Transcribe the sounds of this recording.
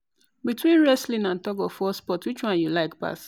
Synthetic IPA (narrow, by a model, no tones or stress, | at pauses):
bitwĩnɹɛslĩnãntɔɡɔfɔspɔtwit͡ʃwãnjulaɪkpa̰s